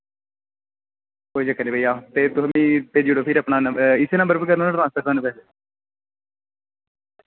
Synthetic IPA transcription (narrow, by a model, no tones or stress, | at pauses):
koːid͡ʒəkːəniːbʱaiːaːt̪eːt̪ʊsəmĩːp̪eːd͡ʒuːɽoːpʰɪɾəpnaːnəɪseːnə̃mbəɾbəkəɾnõːnaʈɾãːnspəɾkəːneːpɛːse